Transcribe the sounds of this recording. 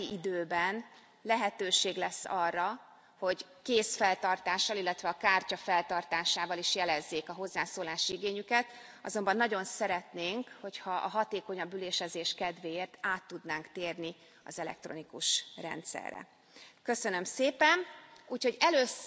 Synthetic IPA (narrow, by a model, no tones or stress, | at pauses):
iʔid̪øːbɛn | lɛɦɛt̪øːʃeːɡlɛsːɒrːɒ | ho̞ɟ | keːsfɛlt̪ɒrt̪aːʃːɒlilːɛt̪ʋɛɒkaːrcɒfɛlt̪ɒrt̪aːʃaːvɒliʃjɛlɛzːeːkɒɦo̞zːaːsoːlaːʃiiɡeːɲykɛt̪ | ɒ̰zo̞mbɒnːɒɟo̞nsɛɾɛt̪neːŋkho̞chɒʔɒɦɒt̪eːko̞ɲɒbyleːʃɛzeːʃkɛd̪ʋeːeːrt̪aːt̪ːud̪naːŋkt̪eːrni | ɒ̰zɛlɛ̰k̚t̪ro̞̰nikuʃrɛ̰nt̪sɛ̰rːɛ̰ | køsønømseːpɛnuːcho̞ɟɛløːs